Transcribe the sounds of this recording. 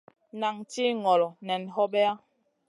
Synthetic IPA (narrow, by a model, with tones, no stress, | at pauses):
na˨ŋti˦ŋɔ˨lɔ˨nɛ˨n˨ɦɔ˦bɛ˦a˦